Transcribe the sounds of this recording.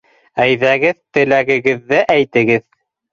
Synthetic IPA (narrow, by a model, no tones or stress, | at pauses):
æjðæɡɘðt̪ɘ̆læɡɘ̆ɡɘ̆ðːɘʔæjt̪ɘ̆ɡɘð